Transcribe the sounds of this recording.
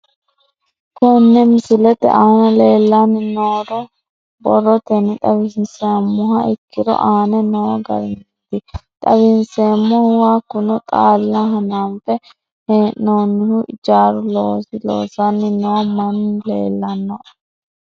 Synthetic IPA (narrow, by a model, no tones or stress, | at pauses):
kʊnːɛmɪsɪlɛt̪ɛ̰ʔaːnɐleːlːanːɪnoːdɔ | bɔrɔt̪ɛnɪt̪ʼɐbɪnseːmːʊɦɐʔɪkːɪd̪ɔ̰ʔaːnɛnɛwɐɡɐ̰ɾɪnt̪ːɪt̪ʼɐbɪnseːmːɔhwaːkːʊnʊt̪ʼaːlːɐɦɐnaːnfɛ | heːnnoːnːɪhʊʔɪd͡ʒaːɾʊloːsɪlo̰ːsɐnːɪnɛwɐmɐnlḛːlːɐnːɔ